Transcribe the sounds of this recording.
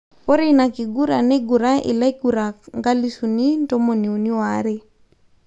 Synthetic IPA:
pɔ˦ɾe˦na˨ki˨ɡu˦ɾa˨nɛ˦ɡu˨ɾa˦ḭ˨la˦i˦ɡu˨ɾa˨ŋɡa˦li˦su˨ni˦n˦tɔ˦mo˨ni˨o˨ni˦wa˨˦ɾe˦

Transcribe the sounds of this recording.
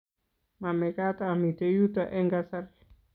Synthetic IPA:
ma˨me˨ka˦t̪aː˨mi˨t̪e˨ju˦t̪a˨ʔe˦ŋɡasaɾe˨

